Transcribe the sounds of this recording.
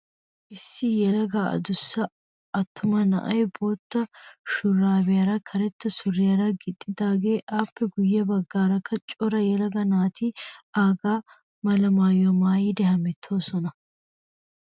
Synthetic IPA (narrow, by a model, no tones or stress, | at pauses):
ʔɪsːɪjɛlɐɡaːɐ̰d̪ʊsːɐ | ɐt̪ʰːʊmɐnɐ̰ʔɐjbo̞ːt̪ːɐʃʊrːaːbɪjɐɾɐkʰɐɾɛt̪ːɐsʊrːɪjɐɾɐɡɪd̪ʼːɪd̪aːɡe̞ːʔaːpːɛɡʊjːɐbɐɡːaːɾɐkʰːɐt͡ʃʼɔɾɐjɛlɐɡɐnaːt̪ʰiaːɡaː | mɐlɐmaːjɔmaːjiːd̪ɛhɐmɛt̪ʰːo̞ːsɔnɐ